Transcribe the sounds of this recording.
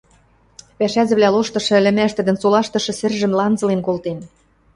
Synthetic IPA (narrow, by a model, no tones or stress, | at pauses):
pæʃæzɘ̆βlæloʃt̪ɤ̆ʃɤ̆ɘ̆lʲɘ̆mæʃt̪ɘ̆d̪ɘ̆nsolɑʃt̪ɤ̆ʃɤ̆sɘ̆rʒɘ̆mlɑnzɤ̆lenkolt̪en